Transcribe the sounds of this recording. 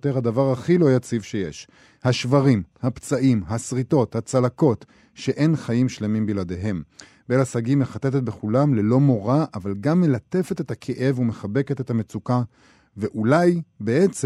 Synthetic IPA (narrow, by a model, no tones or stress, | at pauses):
t̪eʁhad̪avaʁhaχilo̞jat͡sivʃejḛʃ | haʃvaʁimhapt͡saʔimɦasʁit̪o̞t̪hat͡salako̞t | ʃe̞ʔe̞nχajimʃle̞mimbilad̪e̞ɦe̞m | belasaɡimːe̞χat̪et̪et̪̚be̞χulamle̞lo̞mo̞ʁaʔavalɡamːe̞late̞fe̞t̪et̪akʰeʔe̞vumeχabe̞ke̞t̪e̞t̪hame̞t͡suka | ve̞ʔulajbeet͡s